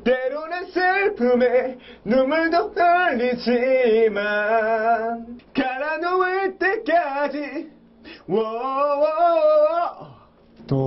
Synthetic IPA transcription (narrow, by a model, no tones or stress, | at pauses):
t̪eɾonansɯɭpume | numuɭd̪okaɭːit͡ɕima | nkaɾanowet̪ekad͡ʑi | wɔwɔ